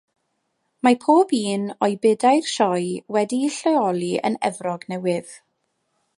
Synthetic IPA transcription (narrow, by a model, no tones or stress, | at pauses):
mapʰoːbiːnɔɨbɪdajrʃɔjwɛdiɬɛɔlˠiə̰nɛ̰vrɔɡnɛwɪð̥